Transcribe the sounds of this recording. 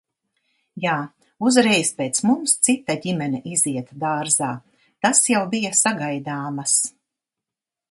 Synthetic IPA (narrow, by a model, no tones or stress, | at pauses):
jaː | uzɾɛjspeːt̪smumst̪sit̪aɟimʲɛnʲɛʔiziɛt̪d̪aːɾzaː | t̪asjawbijasaɡajd̪aːmas